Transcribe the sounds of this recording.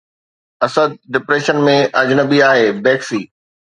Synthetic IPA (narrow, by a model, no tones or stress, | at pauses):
ɐsəd̪̚ɖɪpɾeːʃənmẽʔɐd͡ʑnəbiaːɦeːbɛːksiː